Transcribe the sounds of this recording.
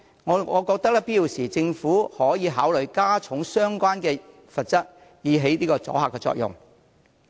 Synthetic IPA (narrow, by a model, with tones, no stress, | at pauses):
ŋɔː˨˧ɔː˨˧kɔː˧k̚t̪ɐ˥k̚lɐ˥piː˥jiː˨wsiː˨˩t͡sɪ˧ŋfuː˨˥hɔː˨˥jiː˨˧ɦaː˨˥wlɵ˨jkaː˥t͡sʰʊ˨˥ŋsœː˥ŋkʷaː˥nkɛː˧ | fɐ˨t̚t͡sɐ˥t̚ | jiː˨˧ɦe˨˥jniː˥kɔː˧t͡sɔ̰ː˨˥ɦaː˨˩kːɛː˧t͡sɔ̰ː˧k̚jʊ̰˨˩ŋ